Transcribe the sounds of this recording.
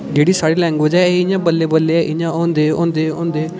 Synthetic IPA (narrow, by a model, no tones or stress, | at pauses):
d͡ʒeːɽiːsaːɽeːlɛ̃ːŋɡʋəd͡ʒɛːeɪɲãːbəlːeːbəlːeːɛːʔɪɲãːõːnd̪eːõ̰ːnd̪eːõːnd̪eː